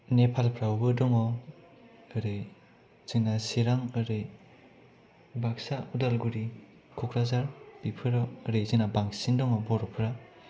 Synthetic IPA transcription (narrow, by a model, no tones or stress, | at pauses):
nepʰalpʰɾawbɯdɔŋɔ | ɯɾɯ | z̥inasiɾaŋɯɾɯ | baksaudalɡuɾi | kʰɔkʰɾazaɾb̥ipʰɯɾɔɯɾezinabaŋsindɔŋɔbɔɾɔpʰɾa